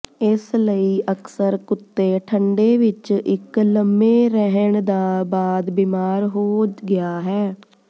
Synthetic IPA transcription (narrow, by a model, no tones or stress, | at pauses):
ɪsləiːʔəksəɾkʊt̪ːeːʈʰəɳɖeːʋɪt͡ʃɪkləmːeːɾəɦəɳd̪aːbaːd̪biːmaːɾɦoːɡɪaːɦɛː